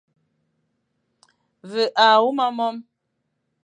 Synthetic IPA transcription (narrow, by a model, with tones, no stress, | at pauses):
və˨ʔa˨wu˦ma˦mɔ˦m